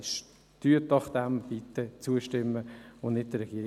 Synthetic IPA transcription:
ʃ | tyətnɑχd̥̪æmvit̪ːət͡suəʃtɪmːəʊnnɪt̚d̥əɾɛɡ̥iːəɾɪ

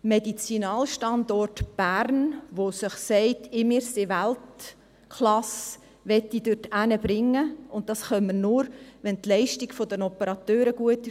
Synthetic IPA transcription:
medit͡sinɑːlʃtɑndɔrtb̥æɾnʋosəχsɛɪtʰɪmɪɾsɪʋælt | kʰlɑs | ʋɛtːid̥ʉrtænəb̥ɾɪŋːəʊnt̚d̥ɑsχœmːəɾnʊɾʋɛntlɛɪʃtiɡ̥fɔdənɔpəɾɑt̪øːɾəɡ̥uətː

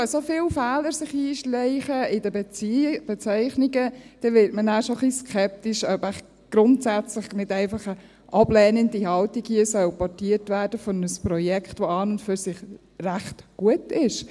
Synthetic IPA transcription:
sofɪːlfɛːləɾsɪχiːʃlɛɪχəɪdəbɛt͡sb̥ɛt͡sɛɪχniɡəd̥ɛʋɪtmənæːʃoχliskʰɛp̚t̪iʃœbæχ | ɡ̥ɾʊntsæt͡sləχnɪdɛɪfɑχə | ʔɑb̥lɛːnəndihɑltiɡhiəsœwpɔtiəɾtʋæːɾd̥əfɔnəspɾɔjɛkχtʋoɑːnʊntføɾsɪχ | ræχtɡ̥uətɪʃ

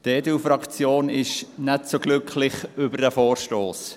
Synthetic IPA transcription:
d̥eːdufrɑkt͡sjoːnɪʃnɛtsoɡ̥lʏkʰlɪχʏbəɾdəfoːrʃtoːs

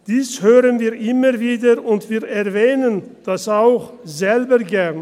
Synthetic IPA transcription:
d̥iːshøːʁənviːɐʔɪməʁviːdəʊntv̥iːɐɛɐvɛːnənd̥asaʊx | zɛlbəɡɛɐn

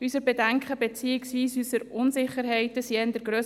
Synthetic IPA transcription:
ysəɾbɛdɛŋkχəbɛt͡siɪksiːsysəɾʊnzɪχəɾɦɛɪtəsiɛɪnd̥əɾɡɾøː

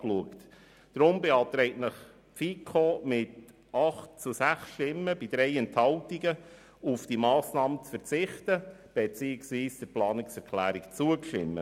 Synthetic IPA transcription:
kluəkt | d̥ɾʊmbeɑːt̪ɾɛɪtnəχ | fikʰomɪt | ɑχt̚t͡susæχsʃtɪmːəbid̥̪ɾɛɪɛnthɑltiɡə | ufd̥imɑːsnɑːmət͡sfəɾt͡sɪχtəb̥et͡siːɪksʋiːsd̥əɾplɑːnɪksɛɾkʰlæːɾikt͡suəkʃɪ̰mːə̰

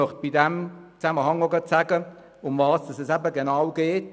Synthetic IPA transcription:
œχt̚b̥ɪdɛmt͡sæməhɑŋoɡɑtsæɡə | ʊmvɑːsd̥ɑsɛsæbəɡenawɡ̥eːt

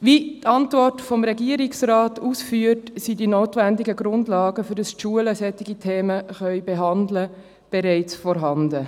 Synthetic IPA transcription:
ʋitɑntvɔrtfɔmɾɛɡiəɾɪksɾaːtusfyːətsidinoːtʋændiɡəɡɾʊndlɑːɡəfʏɾdɑstʃuələsɛtːɪɡitʰeːməχœʏbeɦɑndlə | b̥ɛɾɛɪt͡sfɔɾɦɑndə

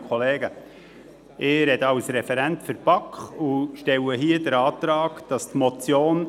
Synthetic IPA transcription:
kχɔleːɡə | ɪːɾɛdəɑlsɾɛfɛɾæntfəɾpɑkχuʃtɛwəɦiədəɾɑːtɾɑːkd̥ɑstmɔt͡sjoːn

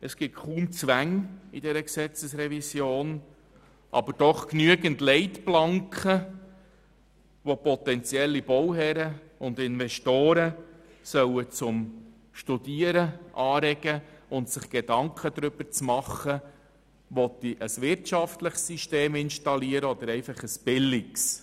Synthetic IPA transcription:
əsɡ̥ɪtχuːmt͡sʋæŋid̥ɛɾəksɛt͡səsɾɛvisjoːn | ʔɑ̰bəɾd̥ɔχknyəɡəntlɛɪtplɑŋkχə | ʋopɔt̪ɛnt͡sjɛlːib̥ɔwɦɛɾə | ʊnd̪ɪnvɛʃtoːɾə | sœwət͡sʊm | ʃtudiːəɾəʔɑːɾɛɡəʊntsɪχɡ̥ed̥ɑŋkʰədɾʏb̥əɾt͡smɑχːə | ʋɔt̪iʔəsʋɪɾtʃɑftləχsiʃteːmɪnʃtɑliəɾəɔd̥̪əɾɛɪfɑχəsb̥ɪlːiks

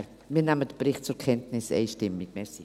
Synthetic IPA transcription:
miːnaːmədəbɾɪχt̚t͡sʊɾkʰɛntnɪsḛɪʃtɪmikmɛsi

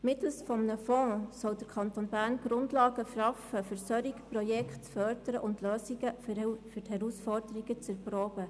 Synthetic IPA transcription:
mɪt̪l̩sfɔmənəfɔ̃ːsɔwd̥̪əɾkʰɑnt̪oːnbæːɾnɡ̥ɾʊndlɑːɡ̥əfɑfəfəɾsœɾikpɾɔjɛkχtfœɾd̥əɾəʔʊndløːsiɡəfʏrthɛɾusfɔrd̥əɾiɡət͡sɛɾpɾoːb̥ə

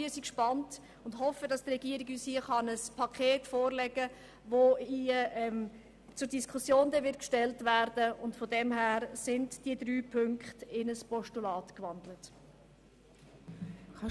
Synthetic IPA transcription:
iəsikʃpɑnt | ʊndhɔfədɑstrɛɡiəɾiɡyːshiəχɑnəspʰɑkʰeːtfoːrlɛɡə | voiəɛm | t͡sʊɾdiskʰʊsjoːndɛvɪtkʃtɛltvæːɾd̥əʊntfodɛmɦæːɾsɪndd̥iədɾyːpʰʏŋkχtɪnəspɔʃtulɑːtkʋɑndlət

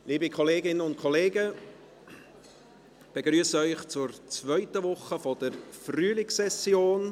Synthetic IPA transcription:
liːbikʰɔleːɡɪnənʊnt̚kʰɔleːɡə | b̥eɡɾyːəsəœʏχt͡sʊɾt͡svœʏtəvʊχəfɔd̥əɾfryːlɪksɛsjoːn

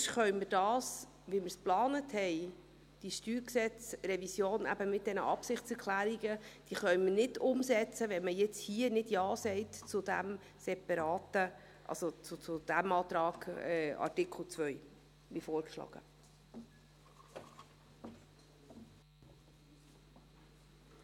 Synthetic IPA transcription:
ʃχœɥmɪrd̥ɑːs | ʋimɪɾsplɑːnəthɛɪ | d̥iʃtyːɾksɛt͡sɾɛvisjoːnæ̰bəmɪt̚d̥ɛnə̰ʔɑpsɪχt͡sɛɾkʰlæːɾiɡəd̥iːχœɥmɪnɪdʊmsɛt͡səʋɛnməjɛt͡shiənɪdjɑːsɛɪtt͡sʊd̥æ̰m | sɛpɑɾɑːt̪ə | ʔɑ̰sot͡sʊt͡sʊd̪̥æmɑːt̪ɾɑːɡ̥ɛɑ̰rtɪkʰl̩t͡sʋœj | ʋifoːɾkʃlɑ̰ːɡ̥ə̰

